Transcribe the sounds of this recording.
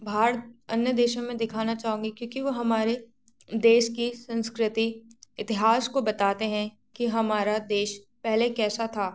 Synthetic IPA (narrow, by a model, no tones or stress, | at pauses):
bʱaːɾɐnjəd̪eːʃõmẽd̪ɪkʰaːnat͡ʃaːɦũːŋɡikjõːkiʋoɦɐmaːɾe | d̪eːʃkisɐ̃nskɾɪt̪iɪt̪ɪɦaːskobɐt̪aːt̪eɦɛ̃ | kiɦɐmaːɾad̪eːʃ | pɛɦlekɛːsat̪ʰaː